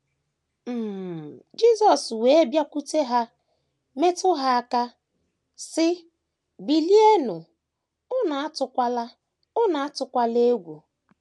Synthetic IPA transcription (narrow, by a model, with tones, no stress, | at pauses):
m̩˨d͡ʒi˦zɔ˨swe˨e˦bja˦kʷu˦te˦ɦa˦ | me˦tʊ˦ɦa˦a˦ka˦ | sɪ˦ | bi˨li˦e˦nʊ˨ | ʊ˦na˨a˦tʊ˨kʷa˦la˦ | ʊ˦na˨a˦tʊ˨kʷa˦le˦ɡʷu˨